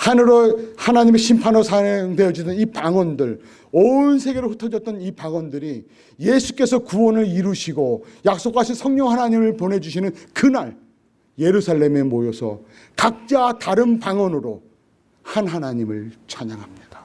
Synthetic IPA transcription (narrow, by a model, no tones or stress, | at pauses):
hanɯɾohanaɲimeɕʰimpʰanosʰaŋdejʌd͡ʑidɯnipaŋwʌndɯɭ | onsʰe̞ɡe̞ɾɯɭɸutʰʌd͡ʑʌt̚t͈ʌnipaŋwʌndɯɾi | je̞sʰu̥k͈e̞sʰʌkuwʌnɯɾiɾuɕʰiɡojak̚s͈okʰaɕʰinsʰʌŋɲʌŋɦanaɲimɯɭpone̞d͡ʑuɕ̬ʰinɯnkɯnaɭ | je̞ɾusʰaɭːe̞me̞mojʌsʰʌ̰ | kak̚t͡ɕ͈ataɾɯnpaŋwʌnɯɾo | hanɦanaɲimɯɭt͡ɕʰaɲaŋɦamɲid̥ḁ